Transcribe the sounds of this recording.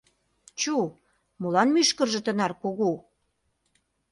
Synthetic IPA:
t͡ɕu | molɑnmyʃkə̆rʒə̆t̪ənɑrkoɣo

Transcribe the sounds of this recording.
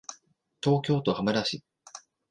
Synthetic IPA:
t̪o̞ːkʲo̞ːt̪o̞hamaɾaɕi

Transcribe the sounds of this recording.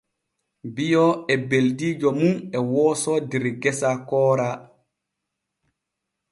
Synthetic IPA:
bijɔɛbeldiːd͡ʒɔmunɛwɔːsɔdiɾɡɛsakɔːɾa

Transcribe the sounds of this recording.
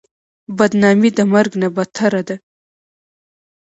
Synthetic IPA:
bad̪nɑmid̪əmaɾɡnabat̪ʰaɾad̪a

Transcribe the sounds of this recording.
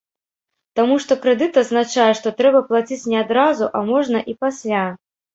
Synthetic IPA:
t̪amuʂt̪ɔkɾɛd̪ɨt̪ɐznat͡ʂajɛʂt̪ɔt̪ɾɛbɐplˠat͡sʲit͡sʲnʲɛad̪ɾazuʔamɔʐnɐʔipasʲlʲa

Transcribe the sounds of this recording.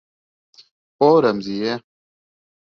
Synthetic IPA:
poːɾɐmzije

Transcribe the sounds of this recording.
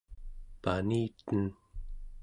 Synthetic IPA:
paniːt̪ən

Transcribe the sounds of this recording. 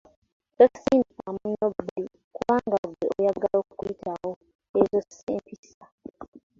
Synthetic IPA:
tosi̥siːmdikamuɲobi | kuβaːŋɡaɡweʔojaɡaloːku̥kwitʰawo | ezosseːmpisa

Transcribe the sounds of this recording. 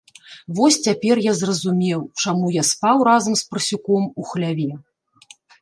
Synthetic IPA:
vɔsʲt͡sʲapʲɛrjazrɐzumʲɛwt͡ʂamujaspawrazɐmspɾɨsʲukɔmuxlʲavʲɛ

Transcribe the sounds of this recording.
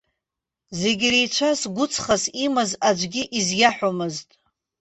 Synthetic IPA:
zeɡʲrijt͡ʃʷʰasɡʷʊt͡sʰχasimɨzad͡ʒʷɡʲiʔizjaħʷᶣomɨztʼ

